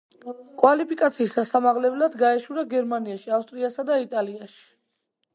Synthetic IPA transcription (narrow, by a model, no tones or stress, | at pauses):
kʼwalipʰikʼat̪sʰiːsasamaʁlɛblad̪ɡaɛʃuɾaɡɛɾmaniaʃiafst̪ʼɾiasad̪ait̪ʼaliaʃi̥